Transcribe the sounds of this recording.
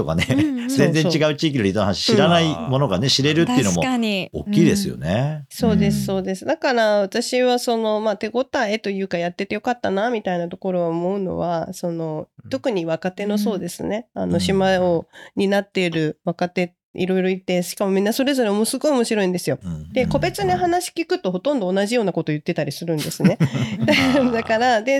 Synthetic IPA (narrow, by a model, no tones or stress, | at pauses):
t̪o̞ka̰nezẽd͡zẽ̞t͡ɕiɡaɯ̟t͡ɕiːk̬ʲinoɾit̪oohanaɕi̥ɕiɾanaimo̞noɡane̞ɕiɾe̞ɾɯ̟t̪ːeiɯɯnomoaɲio̰kʲːiːd̪e̞sɨjo̰neso̞ːd̪e̞sɨ̥so̞ːd̪e̞sɨd̪akaɾaβat̪aɕiβaso̞no̞maːt̪e̞ɡo̞t̪ae̞t̪o̞jɯ̟ːkajat̪ːe̞t̪ejo̞kat̪ːanamʲit̪ainat̪o̞ko̞ɾo̞mo̞ɯ̟no̞̰βaso̞no̞t̪o̞kɯ̟ɲ̟iβakat̪e̞no̞so̞ːd̪e̞sɨne̞a̰no̞ɕimaoɲ̟inat̪ːe̞ɾɯ̟βakat̪e̞ | ḭɾo̞iɾo̞it̪ːeɕi̥kamo̞mʲĩnːaso̞ɾe̞zo̞ɾe̞o̞mosɨɡo̞io̞mo̞ɕiɾo̞ĩnd̪e̞sɨjo̞d̪̥e̞ko̞be̞t͡sɨniɦanaɕi̥kʲikɯ̟t̪o̞ɦo̞t̪õ̞nd̪o̞ːnaʑijo̞ːnako̞t̪o̞jɯ̟t̪ːe̞t̪aɾʲisɨɾɯ̟̃nd̪e̞sɨne̞d̪ad̪akaɾad̪e̞